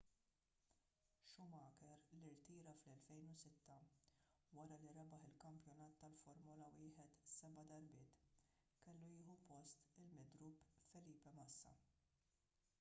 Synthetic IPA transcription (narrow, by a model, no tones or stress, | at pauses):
ʃʊmɐːkɛɾliɾt̪iːɾɐflɛlfɛjnʊsɪt̪ːɐ | wɐɾɐliɾɐɛbɐħɪlkɐmpjɔnɐːt̪ːɐlfɔɾmɔlɐwɪːħɛt̪sɛbɐd̪ɐɾbɪːt̪ | kɛlːujɪːħupɔst̪ɪlmɪd̪ɾupːfɛliːpɛmɐsːɐ̰